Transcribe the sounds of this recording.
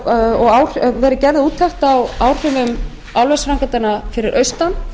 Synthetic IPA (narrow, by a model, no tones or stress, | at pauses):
ɔɣaːwr̥vɛːɾɪcɛɾðɪuːt̪ʰːɛht̪awawr̥ʏvʏm | awlvɛsɾaŋkat̪anafɪɾɪɾʔœɥst̪an